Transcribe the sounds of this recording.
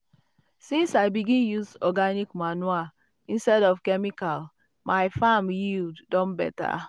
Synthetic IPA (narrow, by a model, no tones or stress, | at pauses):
sĩnsaɪbiɡĩnjuzɔɡanikmanwa | ĩnstɛdɔfkɛmikal | maɪfamjilddɔ̃nbɛ̰ta̰